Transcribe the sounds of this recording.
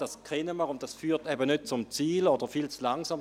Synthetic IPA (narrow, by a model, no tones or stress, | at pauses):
d̥askʰɛnəməʁʊnt̚d̥asfyːɐtɛbənøt̚t͡sʊmt͡siːlod̥əʁfilt͡slaŋsaːm